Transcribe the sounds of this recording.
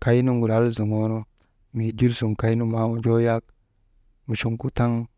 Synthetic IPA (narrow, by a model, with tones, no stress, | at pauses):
ka˨i˦nu˦ŋɡu˨la˦lzu˨ŋo˦no˦ | mi˨d͡ʒi˦lsu˨ŋka˨˦jnu˦ma˦mu˦d͡ʒo˦ja˦k̚ | mu˨ʃu˨ŋku˦ta˦ŋ